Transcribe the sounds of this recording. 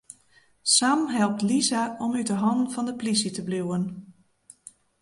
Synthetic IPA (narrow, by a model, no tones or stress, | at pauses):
samɦɛlˠp̚tlizaʔɔmyt̚dəɦɑnvɑndəplisitəbluwən